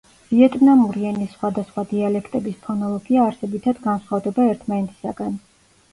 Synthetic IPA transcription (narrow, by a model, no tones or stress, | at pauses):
viɛt̪ʼnamuɾiɛnisːχwad̪asχwad̪ialɛkʰt̪ʼɛbispʰɔnɔlˠɔɡiaːɾsɛbit̪ʰad̪ɡansχavd̪ɛbaɛɾt̪ʰmanɛt̪ʰi̥sa̰ɡan